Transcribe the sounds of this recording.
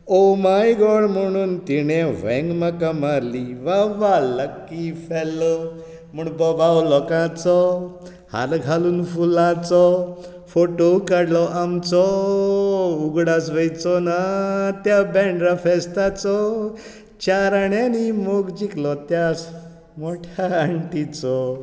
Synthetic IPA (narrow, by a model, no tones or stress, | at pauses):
omajɡɔɽm̤əɽ̃uːnt̪iɽ̃eʋ̤ɛ̰̃ŋɡməkamaɾliʋaʋaləkːifɛlːɔ | muɽ̃bɔbawlɔkãt͡sɔ | ha̰lɡʱaluːnfulãt͡sɔ | foʈokəɽlɔʔamt͡sɔ | uɡɽasʋəjt͡sɔnat̪jabɛɳɖɾafɛst̪at͡sɔ | t͡ɕaɾaɳjanimoɡd͡ʑiklɔt̪jas | moʈʰjaəɳʈit͡sɔ